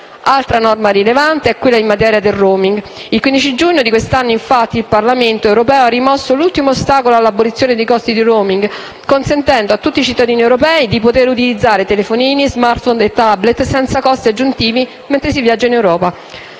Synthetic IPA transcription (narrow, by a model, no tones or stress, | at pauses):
alt̪ɾanɔrmaɾilevant̪eɛkːwelːaimmat̪ɛːɾjad̪erroːmiŋɡ | ilkwind̪it͡ʃidd͡ʒuɲːod̪ikwest̪anːoiɱfat̪ːiilparlament̪oɛwɾopɛːoarːimɔsːolult̪imoːst̪aːkoloalːabolit̪sːjoːned̪ejkɔst̪id̪iɾoːmiŋɡ | konsent̪ɛnd̪oat̪ːut̪ːit͡ʃit̪ːad̪iːniewɾopɛːid̪ipot̪eɾut̪ilid̪zːaːɾet̪elefoniːnizmart̪fɔnd̪et̪ːablet̪sɛnt̪sakɔst̪iad͡ʒːunt̪iːvi | ment̪ɾesivjad͡ʒːainewɾɔːpa